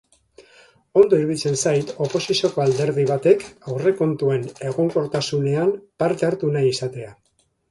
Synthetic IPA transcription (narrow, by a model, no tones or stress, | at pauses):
o̞nd̪o̞iɾβilt͡se̞nsajt̪o̞po̞sisioko̞ald̪e̞ɾðiβ̞at̪e̞kawre̞ko̞nt̪ue̞ne̞ɣ̞o̞ŋko̞ɾt̪asune̞ampaɾt̪e̞aɾt̪unaisat̪e̞a